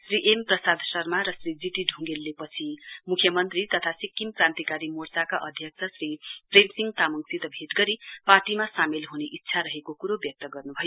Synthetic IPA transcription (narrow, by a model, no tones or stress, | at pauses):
sriʔemprʌsad̪ʱsʌrmaɾʌsrid͡ziʈiɖʱũŋɡelːepʌt͡sʰimukʰjʌmʌnt̪rit̪ʌt̪ʰasikːimprant̪ikaɾimort͡sakaʔʌd̪ʱjʌk̚t͡sʰʌsripremsiŋɡt̪amʌŋsit̪ʌbʱeʈɡʌɾiparʈimasamelɦuneʔitːsʰaɾʌɦekokuɾobjʌk̚t̪ʌɡʌrnubʱʌjo